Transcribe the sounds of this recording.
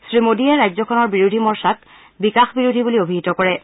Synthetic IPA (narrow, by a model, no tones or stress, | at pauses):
sɹimodijaɹajzɔkʰɔnɔɹbiɹodʱimɔɹsak | bikaxbiɹodʱibuliobʱiɦitɔkɔɹɛ